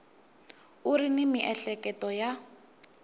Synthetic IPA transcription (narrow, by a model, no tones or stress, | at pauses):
uɾinimiʔɛɬɛkʼɛtɔja